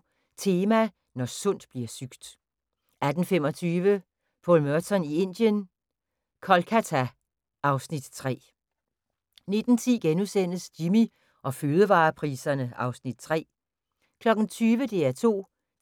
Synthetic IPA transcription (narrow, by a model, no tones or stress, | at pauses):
t͡sʰe̝ːmæ | nɒsɔ̽n̰d̥b̥liɐsyɡ̥d̥ | æd̥n̩fem̰ɒt͡sʰyːʋə | pʰɔ̰lmøɐt͡sʰɒnie̝n̰d̥jən | kʰɒ̽lkʰæt͡sʰæ | ʔɑ̈ʊsnid̥t͡sʰʁɛ̰ː | ne̝d̥n̩t͡sʰiɡ̥enusen̰əsd̥imi | ʔɒ̽føːð̞ˠəʋɑ̈ːpʰʁiːsɐnəɑ̈ʊsnid̥̚t͡sʰʁɛ̰ː | kʰlɒ̽ɡ̥n̩t͡sʰyːʋəd̥e̝æɐt͡sʰo̝̰ː